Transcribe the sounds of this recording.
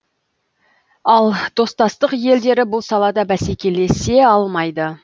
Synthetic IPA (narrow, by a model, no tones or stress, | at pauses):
ɑlˠd̪̥o̞st̪ɑst̪əqje̞ld̪e̞ɾɪbʊlˠsɑlˠɑd̪ɑbæse̞kʲe̞le̞se̞ɑlˠmɑjd̪ə